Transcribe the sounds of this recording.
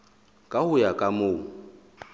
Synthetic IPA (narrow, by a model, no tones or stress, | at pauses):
kʼahʊjakʼamʊː